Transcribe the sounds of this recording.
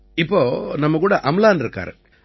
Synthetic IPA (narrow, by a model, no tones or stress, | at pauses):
ɪpːoːnɐmːɐkuːɽɐʔɐmlaːnɾɯkːa̰ːɾɯ̰̃